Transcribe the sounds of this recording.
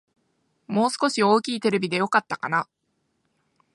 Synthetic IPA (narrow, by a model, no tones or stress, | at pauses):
mo̞ːsɨ̥ko̞ɕio̞ːkʲiːt̪e̞ɾe̞bʲid̪e̞jo̞kat̪ːakana